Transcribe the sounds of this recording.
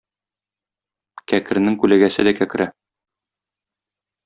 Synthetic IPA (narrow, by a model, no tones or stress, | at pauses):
kækɘ̆ɾnɘŋkʉlæɡæsɘd̪ækækɘ̆ɾæ